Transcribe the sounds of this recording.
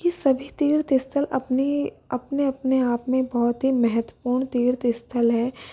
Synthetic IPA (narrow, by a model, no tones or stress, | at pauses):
kisɐbʱit̪iːɾt̪ɪst̪ʰəlɐpni | ɐpneɐpneaːpmẽbɔɦɔt̪ɦimɛɦət̪wəpuːɾɳt̪iːɾt̪ɪst̪ʰəlɦɛː